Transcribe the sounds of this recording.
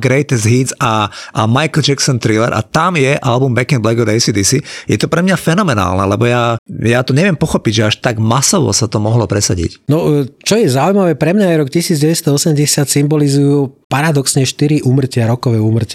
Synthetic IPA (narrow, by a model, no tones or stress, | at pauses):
ɡɾɛjt̪ɛzɦizaʔmajkl̩d͡ʒɛksɔnt̪ɾilɛ̰ɾʔa̰t̪amjɛʔalbumbɛkɛnblɛɡɔd̪ɛɪsid̪isijɛt̪ɔpɾɛmɲafɛnɔmɛna̰ːlnɛlɛbɔjajat̪ɔɲɛʋɪɛmpɔxɔpiɟʒɛaʃt̪aɡmasɔʋɔ̰sat̪ɔmɔɦlɔpɾɛsaɟḭcnɔt͡ʃɔjɛzaujmaʋɛpɾɛmɲajɾɔkcisiːd͡zɟɛʋɛst̪ɔɔsɛmɟɛsɪat̪simbɔlizujupaɾad̪ɔksɲɛʃt̪iɾiʔuːmr̩cɪaɾɔkɔʋɛuːmr̩ca